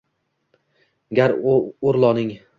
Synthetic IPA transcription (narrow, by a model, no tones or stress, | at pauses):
ɡʲaɾoɾlˠɒnɪŋ